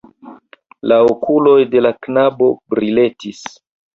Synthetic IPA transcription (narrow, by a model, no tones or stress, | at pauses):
laokulo̞jde̞laknabo̞bɾile̞tis